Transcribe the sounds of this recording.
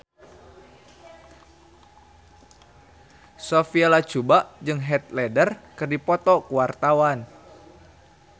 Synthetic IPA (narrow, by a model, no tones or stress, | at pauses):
sofialat͡ʃubaʔd͡ʒɨŋɦɛt̪̚lɛdərkɨrdipɔt̪ɔkuwart̪awan